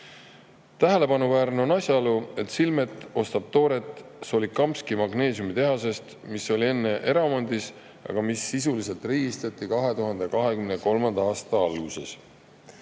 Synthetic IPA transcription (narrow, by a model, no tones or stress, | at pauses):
t̪æɦe̞le̞pɑnuvæːɾneo̞nɑsʲjɑluet̪ˑsilme̞t̪ːˑo̞st̪ɑb̥̚t̪o̞ːɾe̞t̪ːˑso̞likɑmskimɑɡne̞ːs̬jumit̪e̞ɦɑse̞st̪misːo̞lʲie̞nːe̞ʔe̞ɾɑmɑnʲd̪̥is | ɑ̰ɡ̥ɑmisːis̬ulise̞lt̪riːɡist̪ɑt̪ˑːikɑɦe̞t̪uɦɑnd̪̥ekɑɦe̞kymneko̞lmɑnd̪ɑɑːst̪ɑɑlɡ̥use̞s